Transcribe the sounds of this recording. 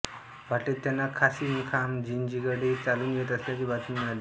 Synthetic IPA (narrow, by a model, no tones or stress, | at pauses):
ʋaʈit̪ːjanːakʰasiːnkʰamd͡ʑind͡ʑiɡəɽit͡saluːnjet̪əsljakibat͡sunmɛal